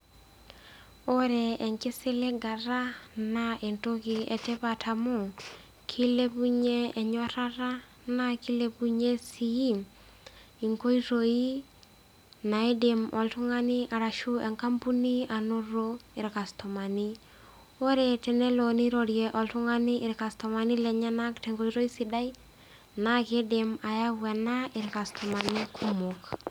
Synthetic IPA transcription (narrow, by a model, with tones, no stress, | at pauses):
o˦ɾɛ˨ɛ˨ŋkɪ˦sɪ˦le˦ɡa˨ɾa˦na˨ʔe˨nto˦kɪɛ˨tɛ˦pa˨tʰa˨mo˦˨ | kʰi˦le˦pu˦ɲe˦ɛ˨ɲɔ˦ɾa˦ɾa˦ | na˨ki˦le˦pu˦ɲe˦si˨i˦ | i˨ŋko˦i˦ɾo˨i˦ | na˨e˦de˨mɔ̰˨ltʊ˦ŋa˦nɪ˦a˨ɾa˨ʃu˦ɛ˨ŋka˦mpu˦ni˦a˨nʊ˦ɾo˦ɪ˨ɾka˨stɔ˨ma˨ni˦ | o˦ɾe˨tɛ˨nɛ˦lo˨ni˦ɾo˨ɾjɛ˨ʔɔ˨ltu˦ŋa˦ni˦ɪ˨ɾka˨stɔ˨ma˨ni˦lɛ˨ɲa˦na˦ktɛ˨ŋɡo˦i˦ɾo˦i˦si˨da˦i˦ | na˦ke˦de˨ma˨ja˦wɛ˨na˦ɪ˨ɾka˨stʰɔ˨ma˨ni˦kʰu˦mo˨k